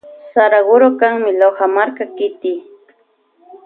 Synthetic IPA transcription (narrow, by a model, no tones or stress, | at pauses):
saɾaɢʊɾokaŋmɪlohamaɾkakɪt̪ɪ